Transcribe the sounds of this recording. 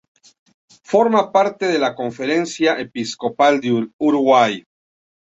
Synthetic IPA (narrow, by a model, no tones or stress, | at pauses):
fo̞ɾmapaɾt̪eðelakoɱfeɾensjaʔepiskopald̪euɾuɣwaj